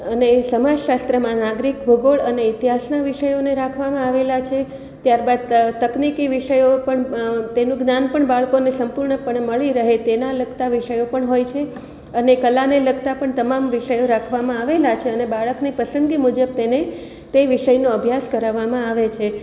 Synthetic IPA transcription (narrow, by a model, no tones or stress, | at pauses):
ənesəmad͡ʒʃast̪ɾəmãnaɡɾikbʱəɡoɭəneɪt̪iɦasnaʋiʃəjoneɾakʰʋamãaʋelat͡ʃʰe | t̪jaɾbad̪̚t̪əknikiʋiʃəjopəɳt̪enũɡnanpəɳbaɭkonesəmpuɾɳəpəɳməɭiɾəɦet̪enaləɡt̪aʋiʃəjopəɳɦojt͡ʃʰe | ənekəlaneləɡt̪apəɳt̪əmamʋiʃəjoɾakʰʋamãaʋelat͡ʃʰeənebaɭəknipəsənd̪ɡimud͡ʒəb̚t̪ene | t̪eʋiʃəjnoəbʱjaskəɾaʋamãaʋet͡ʃʰe